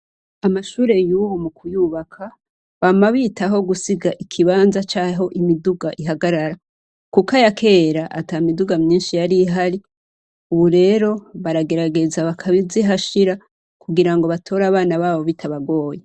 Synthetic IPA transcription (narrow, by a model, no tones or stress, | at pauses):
amaʃuːɾe̞juːβomukʰujuβakʰa | βamaβitaɦo̞ɡusiɡaʔikʰiβaːnzat͡ʃaːɦo̞ʔimiduɡaʔiɦaɡaɾaɾa | kukajakʰe̞ːɾaʔataimiduɡamɲiːnʃijaɾiɦaɾi | uβuɾe̞ːɾo̞βaɾaɡe̞ɾaɡe̞zaβakʰaβiziɦaʃiɾa | kuɡiɾaŋɡo̞βatʰo̞ɾaβaːnaβaːβo̞βitʰaβaɡo̞ːje